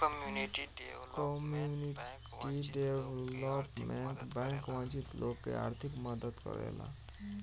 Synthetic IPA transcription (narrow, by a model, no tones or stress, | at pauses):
kmjuniʈkɔmjuni | ʈiɖeʋlɔpmeɳʈbɛ̃ŋkʋãt͡ʃit̪lʔoːɡkḛa̰ːɾt̪ʰikməd̪əd̪kə̰ɾḛla̰